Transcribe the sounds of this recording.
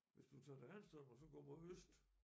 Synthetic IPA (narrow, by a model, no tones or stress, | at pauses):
ʋe̝sd̥ut͡sʰɑ̈ːd̥æænsd̥ɔɒs̬ɒ̽ɡ̥ɔ̰ːmɒhøsd̥